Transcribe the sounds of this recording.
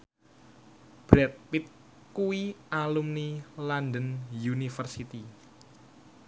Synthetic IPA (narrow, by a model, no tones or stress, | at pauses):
b̥ɾɛt̪̚pɪt̪̚ | kuialumnilandənjunifərsit̪i